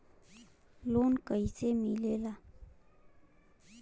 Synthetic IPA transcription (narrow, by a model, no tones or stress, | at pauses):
lonkəjsemilela